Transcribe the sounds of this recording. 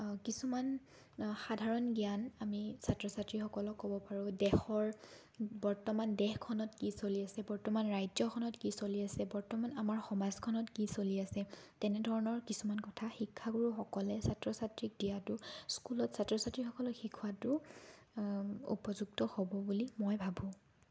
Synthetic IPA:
kisuman | xadʱaɹɔnɡijanamisatɹɔsatɹixɔkɔlɔkːɔbɔpaɹʊ̃dɛxɔɹ | bɔɹtɔmandɛxkʰɔnɔtkisoliasɛbɔɹtɔmanɹajtzɔkʰɔnɔtkisoliasɛbɔɹtɔmanamaɹxɔmazkʰɔnɔtkisoliasɛtɛnɛdʱɔɹɔnɔɹkisumankɔtʰaxikʰːaɡuɹuxɔkɔlɛsatɹɔsatɹik̚dijatʊskulɔtsatɹɔsatɹixɔkɔlɔxikʰuwatʊ | ṵpɔzuɡ̚tɔhobɔbulimɔjbʱabʱũ

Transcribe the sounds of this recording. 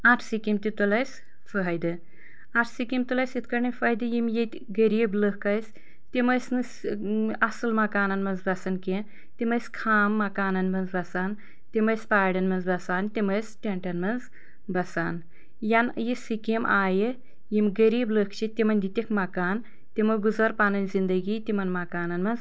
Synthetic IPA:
aʈʰsikimt̪it̪ulɐjsʲ | fɐɦɐjd̪ɨ | aʈʰsikimt̪ulɐjsjit̪ʰkɐɾnɐnʲfɐjd̪ɨjimjet̪ʲ | ɡɐɾiːbləkɐjsʲ | t̪imɐjsnɨsɐsɨlmɐkaːnɐnmɐnzbɐsɐnke | t̪ʲimɐjskʰaːmːɐkaːnɐnmɐnzbɐsaːn | t̪imɐjsʲpaːɖɐnmɐnzbɐsaːnt̪ʲimɐsʲʈeɳʈɐnmɐnz | bɐsaːn | jɐnjisikimʔaːjɨ | jimɡɐɾiːbləkt͡ʃʰit̪ʲimɐnʲd̪it̪ʲikʰmɐkaːn | t̪ʲimɐɡuzɐɾpaːnɐnʲzind̪ɐɡit̪imɐnmɐkaːnɐnmɐnz

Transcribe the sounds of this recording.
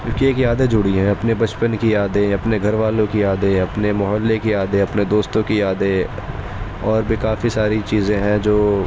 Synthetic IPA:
ʊkieːkijaːd̪ed͡ʒʊɽiɦɛ̃ɐpnebɐt͡ʃpənkijaːd̪eɐpneɡʱɐɾʋaːlõkiaːd̪eɐpnemʊɦəlːekijaːd̪eɐpned̪oːst̪õkijaːd̪e | ɔːɾbʱikaːfisaːɾit͡ʃiːzẽɦɛ̃d͡ʒoː

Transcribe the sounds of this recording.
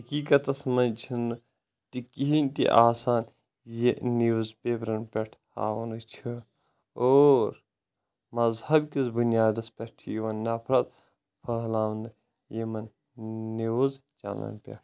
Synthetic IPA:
ɦɐkiːkɐt̪ɐsmɐnt͡ʃʰinɨ | t̪ikiɦinʲt̪ḭʔaːsaːn | jeniʋuzpʲeːpɾɐnpʲɐʈʰha̰ːʋɐnɨt͡ʃʰɨ | oːɾ | mɐzhɐbkizbunjaːd̪ɐspʲɐʈʰijiʋɐnːɐpʰɾɐt̪̚ | pʰɐɦlaːʋnɨ | jemɐn | niʋuzt͡ʃa̰lɐ̰npʲḛʈʰ

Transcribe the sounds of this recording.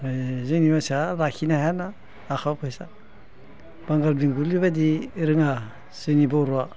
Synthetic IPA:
zɯnimasaɾakʰinaɦjanaː | xʰawpʰajsa̰ | b̥aŋɡalbiŋɡuliβadiɾɯŋa | z̥ɯnibaɾua

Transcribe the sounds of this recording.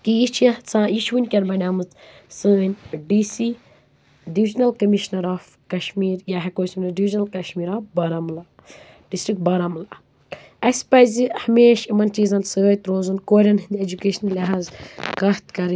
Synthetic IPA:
kiit͡ʃʰjɐt͡sãːjiʃwunʲkʲɐnbɐnʲaːmɨt͡s̪ | sɨːnʲɖiːsi | ɖiʋid͡ʒnɐlkɐmiʃnɐɾaːf | kɐʃmiːɾjaɦɐkoːsumnɐɖiʋid͡ʒnɐlkɐʃmiːɾaːfbɐɾamla | ɖisʈɾik̚ʈ̚bɐɾamla | ɐspɐjzihɐmeːʃimɐnt͡ʃiːzɐnsəːjt̪ɾõːzɨnkoːɾʲɐnɦɨnd̪ed͡ʒukeːʃɐnlʲɐɦaːzkɐht̪kɐɾ

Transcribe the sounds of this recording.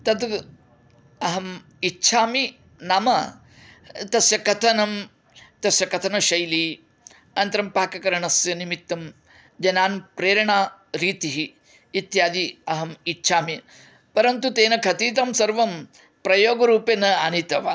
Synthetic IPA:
t̪ɐt̪ | ɐɦɐm | itːt͡ʃʰaːmi | nɐmɐ | t̪ɐsjɐkɐt̪ʰɐnɐm | t̪ɐsjɐkɐt̪ʰɐnɐʃɐjli | ɐnt̪ɐɾɐmpaːkɐkɐɾɐɳɐsjɐnimit̪ːɐm | d͡ʒɐnaːnpɾeːɾɐɳaːɾiːt̪iɦiː | t̪jaːd̪iɐɦɐmitːt͡ʃʰaːmi | pɐɾɐnt̪ut̪eːnɐkʰɐt̪iːt̪̬ɐmsɐɾʋɐm | pɾɐjoːɡɐɾuːpenɐanit̪ɐʋa̰

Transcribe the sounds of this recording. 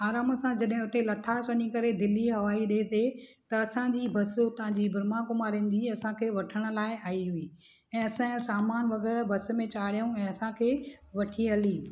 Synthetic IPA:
aːɾaːmsãd͡ʑɐɗɦɪ̃ʊt̪elɐt̪ʰasɐɲĩkɐɾed̪ɪlːiɦɐʋaːiɗeːt̪ʰet̪ɐɐsãd͡ʑiːbʱɐst̪ɐɦãɲd͡ʑibɪɾmakʊmaːɾĩn̆d͡ʑiɐsãkʰeːʋɐʈʰəɽ̃ʊ̆laːɪaːiɦuiː | ɛ̃ːɐsãsaːmaːnʋɐɣɛːɾbʱɐs̆mẽt͡ɕaːɽijũɛ̃ːɐsãkʰeːʋɐʈʰiɦɐliː

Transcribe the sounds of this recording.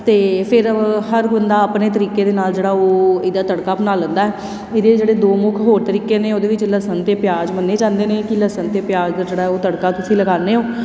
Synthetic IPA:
t̪eːpʰɪɾhəɾɡʊnd̪aːəpneːt̪̬əɾiːkeːd̪eːnaːld͡ʒeːɽaːoːɪd̪aːt̪əɽkaːbənaːlə̃nd̪aːɛː | ɪd̪eːd͡ʒeːɽeːd̪oːmʊkʰɦoːɾt̪əɾiːkeːneːoːd̪eːʋɪt͡ʃləsənt̪eːpɪjaːd͡ʒmənːeːd͡ʒãːnd̪eːneːkɪləsənt̪eːpjaːd͡ʒd̪ad͡ʒeːɽaoːt̪əɽkaːt̪ʊsĩːləɡaːneːɦoː

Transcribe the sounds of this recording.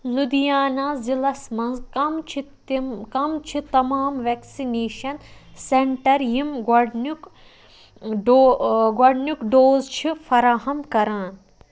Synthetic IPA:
lud̪ijaːnaːzilɐsmɐ̃nzkɐmt͡ʃʰi | kɐmt͡ʃʰit̪ɐmaːmʋeːksineːʃɐnsẽɳʈɐɾjimɡɐɖnuk | ɖoɡɐɖnukɖoːzt͡ʃʰifʰɐɾaːɦɐmkɐɾaːn

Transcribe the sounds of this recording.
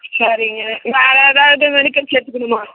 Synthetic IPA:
sɐɾɪŋɡɐʋeːɾɐːðaːʋɐðɯʋɛɳɪkːɐlseːɾt̪ɯkːɐɳɯmaː

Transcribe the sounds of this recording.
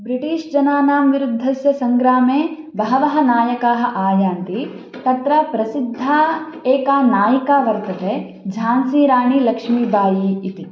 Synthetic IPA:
bɾiʈiːʂd͡ʒɐnaːnaːmʋiɾud̪ʱːɐsjɐsɐŋɡɾaːmeː | bɐɦɐʋɐɦɐ̆naːjɐkaːɦɐ̆ʔaːjaːnt̪i | t̪ɐt̪ɾɐpɾɐsid̪ʱːaːeːkaːnaːjɐkaːʋɐɾt̪ɐt̪eː | d͡ʒʱaːnsiːɾaːɳilɐkʂmiːbʱaːjiːt̪i

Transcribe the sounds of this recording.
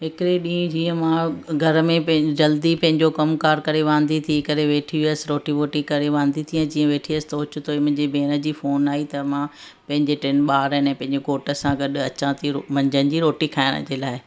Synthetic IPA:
ɦɪkɪɾeɗĩːd͡ʑiːə̃mãɡʱɐɾmẽd͡ʑɐld̪ipɐ̃ɦɪ̃ɲd͡ʑokɐmkaːɾkɐɾeʋãːn̆d̪it̪ʰikɐɾeʋeːʈʰiʋiəsɪɾoːʈiʋoːʈikɐɾeʋãːnd̪it̪ʰiɛ̃d͡ʑiːə̃ʋeːʈʰiəsɪ̥t̪oʊt͡ɕʊt̪ʰoimʊ̃ɦɪ̃ɲd͡ʑebʱeːnə̆d͡ʑiːfoːnaːit̪ɐmã | pɐ̃ɦɪ̃ɲd͡ʑeʈenɓaːɾəɦɪnɛ̃ːpɐ̃ɦɪ̃ɲd͡ʑekoːʈə̆sãɡɐɗɐt͡ɕãːt̪ʰiɾomɐ̃ɲd͡ʑənɪ̆d͡ʑiɾoːʈikʰaːɪɽ̃ə̰d͡ʑeːlaːɪ

